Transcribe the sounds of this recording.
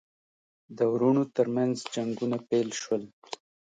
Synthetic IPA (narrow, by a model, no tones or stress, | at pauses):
d̪əwɾunot̪əɾmanzd͡ʒaŋɡunapelʃwəl